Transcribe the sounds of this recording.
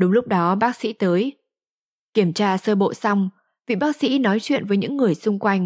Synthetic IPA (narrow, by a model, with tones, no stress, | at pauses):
ɗʊ˨˦ŋ͡mlʊ˦˥k͡p̚ɗɔ˨˦ɓaː˦˥k̚sḭ˧˥t̪əː˨˦j | ki˧˩əmt͡ɕaː˧səː˧ɓo̰˧˨sa˧wŋ͡m | vḭ˧˨ɓaː˦˥k̚sḭ˧˥nɔ˨˦jt͡ɕwḭ˧˨ənvəː˨˦jɲɨ̰˧˥ŋːɨ˨˩əjsʊ˧ŋ͡mkwa˧jŋ̟